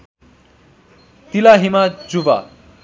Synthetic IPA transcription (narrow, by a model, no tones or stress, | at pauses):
t̪ilaɦimad͡zuba̰